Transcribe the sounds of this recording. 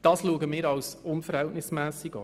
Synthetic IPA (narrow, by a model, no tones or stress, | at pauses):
d̥ɑːsluəɡəmɪːɾɑlsʊnfəɾhɛltnɪsmæːsiɡɑ